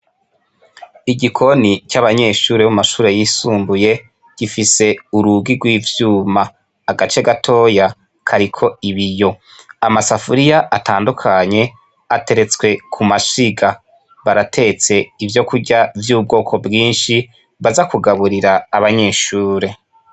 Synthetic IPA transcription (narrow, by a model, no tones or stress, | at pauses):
iɟikʰo̞nicaβaɲe̞ːʃuːɾewumaʃuːɾe̞jisuːmbuje̞ | ɡ̥ifise̞uɾuɡiɡwiːvjuːmaː | ɡat͡ʃe̞ɡatʰo̞ːja | kʰaɾikʰo̞iβijo̞ | amasafuɾijaʔataːndukʰaɲe̞ | ate̞ɾe̞t͡swe̞kʰumaʃiɡa | βaɾatʰe̞t͡se̞ivjo̞kuɟavjuːb̚ɡo̞ːkʰo̞bɡiːnʃi | βazakuɡaβuɾiɾaːβaɲe̞ːʃuːɾe̞